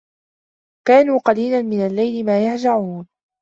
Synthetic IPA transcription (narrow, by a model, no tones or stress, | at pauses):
kaːnuːqɑliːlanmɪnalːajlɪmaːjaħd͡ʒaʕuːn